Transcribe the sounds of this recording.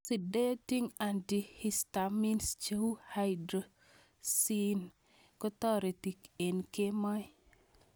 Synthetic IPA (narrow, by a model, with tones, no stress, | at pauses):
si˨de˦ti˦ŋandihistami˦nst͡ʃeu˦hajdɾo | si˦n | kɔ˦t̪ɔ˦ɾe˨ti˨ke˨nke˦ma˦j